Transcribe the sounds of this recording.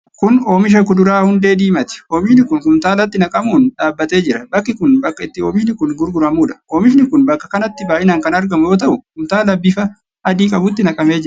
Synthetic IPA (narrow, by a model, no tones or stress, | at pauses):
kʊnoːmɪʃ̬ɐkʊd̪ʊɾaːhʊnd̪e̞ːd̪iːmɐt̪ɪ̥oːmɪʃnɪkʊnkʊmt̪aːlɐt̪ːɪnɐkʼɐmuːnᶑaːbːɐt̪e̞ːd͡ʒɪɾɐbɐkːɪkʊnbɐkːɐɪt̪ːɪo̞ːmɪʃnɪkʊnɡʊɾɡʊɾɐmuːᶑɐ̥oːmɪʃ̬nɪkʊnbɐkːɐ̥kɐnɐt̪ːɪbaːʔɪnaːŋkɐnɐɾɡɐmʊjo̞ːt̪̬ɐʔʊhʊmt̪aːlɐbːifɐ | ɐd̪iːkʼɐbʊt̪ːɪnɐkʼɐme̞ːd͡ʒɪɾɐ